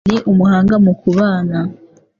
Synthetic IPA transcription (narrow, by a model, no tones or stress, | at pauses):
ɾeʔumuhaːŋɡamukuβaːna